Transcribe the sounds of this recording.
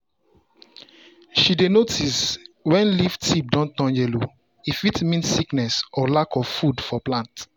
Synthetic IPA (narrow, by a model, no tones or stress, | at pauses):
ʃidenotiswɛ̃nliftip̚dɔ̃ntɔ̃nd͡ʒɛlo | ifitmĩnsːiknɛsɔlakɔv̥fudfɔplãnt